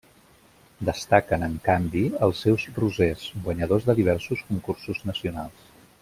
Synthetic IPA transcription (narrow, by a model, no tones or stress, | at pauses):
d̪əst̪akənəŋkambiəlˠsɛwzruzezɡwəɲəð̞ozðəðiβ̞ɛɾsuskuŋkuɾsuznəsiunalˠs